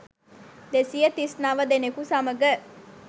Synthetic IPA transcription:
d̪esijət̪isnaʋəd̪enekusaməɡə

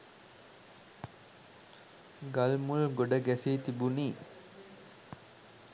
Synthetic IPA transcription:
ɡɐlmulɡoɖəɡæsiːt̪ibuniː

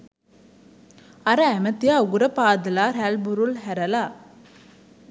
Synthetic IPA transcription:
ɐɾəæmət̪ijauɡuɾəpaːd̪əlaːɾælbuɾulɦæɾəla

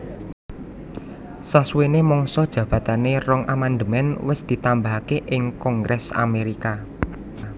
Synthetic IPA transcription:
saswenemɔŋsɔd̥ʒ̥ä̤b̥ä̤t̪anerɔŋʔamand̪əmɛnwɪsd̪̥i̤t̪ambaɦkeʔɪŋkɔŋɡɾʔɛsa̰meɾika

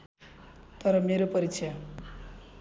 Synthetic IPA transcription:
t̪ʌɾʌmeɾopʌɾikt͡sʰa

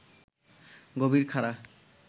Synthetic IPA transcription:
ɡobiɾkʰaɾa

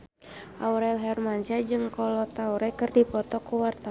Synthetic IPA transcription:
ʔauɾɛlɦɛrmansiad͡ʒɨŋkɔlɔt̪auɾɛkɨrdipɔt̪ɔkuwart̪a

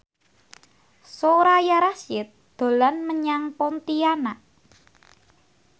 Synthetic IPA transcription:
soɾajaɾasɪt̪̚d̪̥o̤lanməɲaŋpɔnt̪ianaʔ

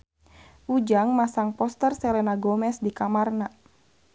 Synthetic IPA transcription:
ʔud͡ʒaŋmasaŋpɔst̪ərsɛlɛnaɡɔmɛsdikamarna

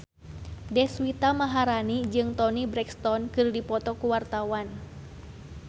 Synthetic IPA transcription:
dɛhswit̪amaɦaɾanid͡ʒɨŋt̪ɔnibɾɛkst̪ɔnkɨrdipɔt̪ɔkuwart̪awan

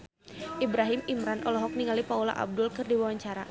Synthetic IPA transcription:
ʔibɾaɦimimɾanʔɔlɔɦɔk̚niŋalipaula̰ʔa̰b̚dʊlkɨrdiwawaɲt͡ʃaɾa

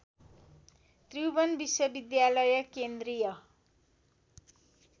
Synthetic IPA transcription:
t̪riwbʌnbiswʌbid̪jalʌjʌkend̪rijʌ

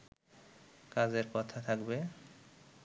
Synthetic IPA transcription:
kad͡ʑeɾkɔt̪ʰat̪ʰakbe

